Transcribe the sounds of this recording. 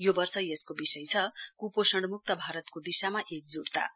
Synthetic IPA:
jobʌrsʌjeskobisʌjt͡sʰʌkuposʌɳɖmuk̚t̪ʌbʱaɾʌt̪kod̪isamaʔek̚d͡zuɽt̪a̰

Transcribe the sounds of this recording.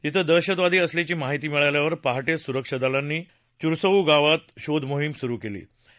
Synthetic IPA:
t̪it̪ʰəd̪əɾɕəd̪ʋad̪ʱiːəslet͡ɕiːmaɦit̪iːmiɭajljaʋəɾpaɦaʈesuɾəkʂəd̪alanːiː | t͡ɕuɾsəuːɡaʋat̪ɕod̪ʱmoɦimsuɾuːkelḭː

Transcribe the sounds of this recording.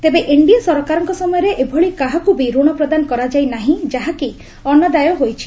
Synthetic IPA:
t̪ebeʔiɳɖijasɔɾɔkaɾɔŋkɔsɔmɔjɔɾeʔebʱɔɭikaɦakubiɾuɽ̃ɔpɾɔd̪anɔkɔɾad͡ʒajnaɦĩd͡ʒaɦaki | ɔnːɔd̪ajɔɦojt͡ʃʰi

